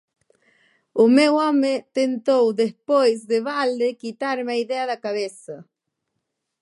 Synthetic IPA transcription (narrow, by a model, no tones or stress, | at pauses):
umewɔmet̪ent̪owd̪espojzðeβald̪ekit̪aɾmeaiðeaðakaβesa